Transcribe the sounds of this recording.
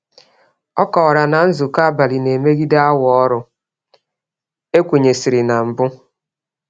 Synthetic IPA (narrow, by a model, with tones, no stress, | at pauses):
ɔ˦kɔː˨ɾa˨na˨n̩˦zʊ˨ka˦ba˨li˨ne˨me˦ɡi˦da˦a˦wɔ˦ɾʊ˨ | e˦kʷe˨ɲe˨si˨ɾi˨na˨m̩˨bʊ˦